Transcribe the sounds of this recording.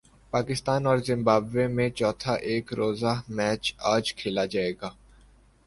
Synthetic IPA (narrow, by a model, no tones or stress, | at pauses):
paːkɪst̪aːnɔːɾzɪ̃mbaːbʋemẽt͡ʃɔːt̪ʰaʔeːkɾoːzamɛːt͡ʃaːd͡ʒkʰeːlad͡ʒaːeːɡaː